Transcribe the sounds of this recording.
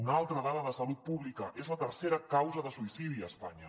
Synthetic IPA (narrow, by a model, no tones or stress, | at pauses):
unalˠt̪ɾəðaðəðəsəlut̪̚puβlikəʔezlət̪ərseɾəkawzəðəsuisiðiəspaɲə